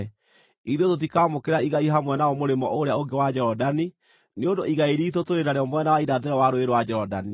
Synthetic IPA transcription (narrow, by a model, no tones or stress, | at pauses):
iðotot̬ikaːmokeɾaiɣaiɦamwɛnaɔmoɾemɔʔoɾeaoŋɡewad͡ʒɛɾɔdani | neondoʔiɣaeɾiːtotoɾenaɾeɔmwɛnawaiɾaðeɾɛwaɾoeɾowad͡ʒɛɾɔdani